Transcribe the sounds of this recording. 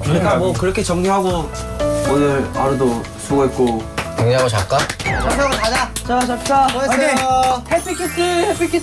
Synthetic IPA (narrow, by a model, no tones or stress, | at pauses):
kɯɾik͈amwʌkɯɾʌkʰe̞t͡ɕʌŋɲiɦaɡo | onɯɭaɾɯdo | sʰoɡoɦet̚k͈ot͡ɕʌŋɲiɦaɡot͡ɕa̰k͈aʌsaɡot͡ɕadat͡ɕʌaɕʰʌt͡ɕʌehʰepʰikʰis͈ɯepʰikʰi